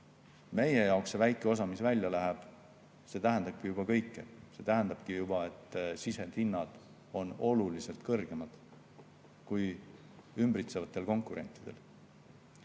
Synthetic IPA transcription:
me̞je̞jɑˑokssevæjkːˑeo̞s̬ɑmisvælʲjɑlæɦeb̥ | se̞ːt̪æɦænd̪ɑb̥̚kijubɑkɤ̞jkːese̞ːt̪æɦænd̪ɑb̥̚kijubɑe̞t̪ːˑsise̞t̪inːɑd̪̥ | o̞no̞lulise̞lt̪kɤrɡ̥e̞mɑd̪̥ | kuj | ymbɾit̪sevɑt̪ːˑe̞lko̞ŋkˑuɾe̞nt̪ːˑid̪̥e̞l

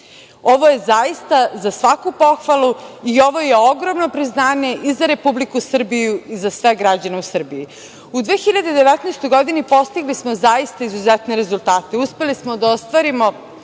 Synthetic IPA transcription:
o̞ʋoje̞zaist̪azasʋakupo̞xʋalˠuio̞ʋo̞jeoɡɾo̞mno̞pɾiznaːɲe̞ʔizaɾe̞publikusr̩bijuizasʋe̞ɡɾad͡ʑaneusr̩bii | ud̪ʋeːxiʎad̪ed̪eʋɛt̪naːst̪o̞jɡo̞d̪inipo̞st̪iɡlismo̞zajist̪aizuzɛt̪neɾe̞zulˠt̪aːt̪euspe̞lismo̞d̪aost̪ʋaɾimo̞

